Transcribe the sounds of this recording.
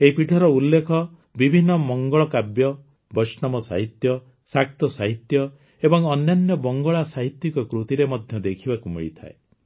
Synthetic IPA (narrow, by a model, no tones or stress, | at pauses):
eɦipiʈʰaɾɔulːekʰɔ | bibʱinːɔmɔŋɡɔɭɔkabjɔ | bɔsnɔmɔsa̰ɦit̪jɔ | sak̚t̪ɔsaɦit̪jɔ | ebɔŋɔnjanjɔbɔŋɡɔɭasaɦit̪jikɔkɾut̪iɾemɔd̪ʱjɔd̪ekʰibakumḭɭit̪ʰa̰e